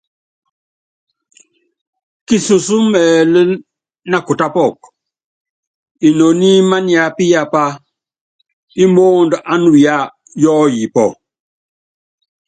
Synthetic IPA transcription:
ki˨su˨su˦mɛː˨lə˦ | na˦ku˨ta˦pɔ˦˨k̚ | i˨no˨ni˦ma˦ni˨a˨pi˦ja˦pa˦ | i˦mo˦ndʔa˦nu˨ja˦˨ | jɔ˦ji˨pɔ˨

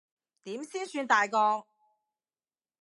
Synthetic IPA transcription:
t̪iː˨˥msiː˥nsyː˧nt̪aː˨jkɔː˧k̚

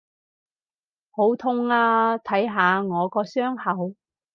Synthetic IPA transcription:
ho˨˥wt̪ʰʊ˥˧ŋaː˧t̪ʰɐ˨˥jɦaː˨˧ŋɔː˨˧kɔː˧sœː˥ŋhɐ˨˧w

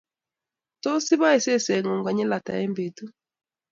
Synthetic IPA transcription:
tɔ˦si˦βa˦ɛ˨sɛ˦˨sɛ˨ŋɔ˨ŋɡwa˨ɲɛ˦la˨ta̰˨ɛ˦mbe˨tu˦

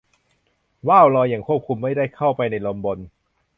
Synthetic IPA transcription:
waː˥˩wlɔː˧jaː˨˩ŋkʰu˥˩p̚kʰu˧mːa˥˩jdaː˥˩jkʰa˥˩wpa˧jna˧jlo˧mbo˧n

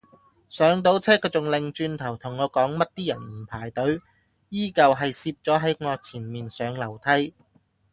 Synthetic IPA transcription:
sœː˨˧˥ŋt̪o˨˥wt͡sʰɛː˥kʰːɔ˨˧t͡sʊ˨˩ŋlɪ˨ŋt͡ʃyː˧nt̪ʰɐ˨˩wt̪ʰʊ˨˩ŋːɔː˨˧˥kɔː˨˥ŋmɐ˥t̚t̪iː˥jɐ˨˩nm̩˨˩pʰaː˨˩jt̪ɵ˨˥ɥ | jiː˥kɐ˨˧wɦɐ˨jsiː˧p̚t͡sɔː˨˥ɦɐ˨˥jŋɔː˧t͡sʰiː˨˩nmiː˨nsœː˨˧ŋlɐ˨˩wt̪ʰɐ˥j

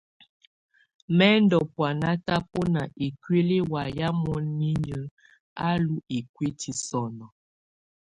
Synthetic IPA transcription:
mɛ˦ndɔ˨pwa˨na˦ta˦po˦na˨ʔi˨kwe˦le˦wa˨ja˦mɔ˦nːi˦ɲə˨ | a˦lu˦i˨kwe˦tʰi˨sɔ˨nɔ˨

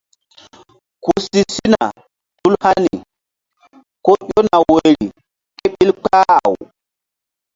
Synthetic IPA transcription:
ku˨si˦si˦na̰˨ | tu˦lha˦ni˨ | ko˦ɗo˦na˨we˨ɾi˨ | ke˦ɓi˦lk͡pa˦˨w

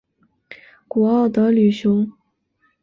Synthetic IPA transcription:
ku˨˩ɑ˥˩ʊd̪ə˨ly˨˩ɕjʊ˧˥ŋ

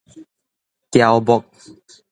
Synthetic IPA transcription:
kja˨wbɔ˨k̚

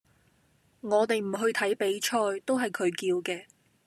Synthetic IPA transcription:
ŋɔː˨˧t̪e˨jm̩˨˩ɦɵ˧ɥt̪ʰɐ˨˥jpe˨˥jt͡ʃʰɔː˧jt̪o˥wɦɐ˨jkʰɵ˨˧ɥkiː˧wkɛː˧

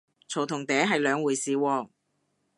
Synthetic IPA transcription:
t͡sʰo˨˩wt̪ʰʊ˨˩ŋt̪ɛː˨˥ɦɐ˨jlœː˨˧ŋwuː˨˩jsiː˨wɔː˧

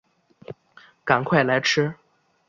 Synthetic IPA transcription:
ka˨˩nkʰwa˥˩ɪla˧˥ɪʈ͡ʂʰɻ̩˥

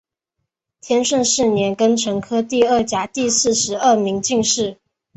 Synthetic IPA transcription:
t̪ʰjɛ˥nʂə˥˧nʂɻ̩˥˩njɛ˧˥nkə˥nʈ͡ʂʰɤ˧˥ŋkʰɤ˥t̪i˥˧ə˥˩t͡ɕja˧˥t̪i˥˧sɹ̩˥˩ʂɻ̩˧˥ə˥˩mi˧˥ŋt͡ɕi˥˧ŋʂɻ̩˥˩

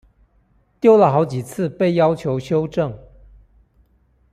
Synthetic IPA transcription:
t̪jo˥ʊlə˨xɑ˧˥ʊt͡ɕi˨˩t͡sʰɹ̩˥˧pe˥˩ɪjɑ˥ʊt͡ɕʰjo˧˥ʊɕjo˥ʊʈ͡ʂɤ˥˩ŋ

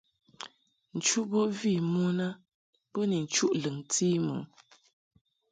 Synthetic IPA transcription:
n̩˨t͡ʃu˦ʔbo˦vi˦˨mu˦na˦ | po˦ni˨n̩˨t͡ʃu˦ʔlɨ˨ŋti˦mṵ˨

